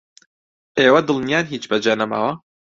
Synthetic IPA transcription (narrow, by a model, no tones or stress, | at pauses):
eːwɐd̪ɨlˠnjaːnɦiːt͡ʃbɐd͡ʒɐnɐma̰wɐ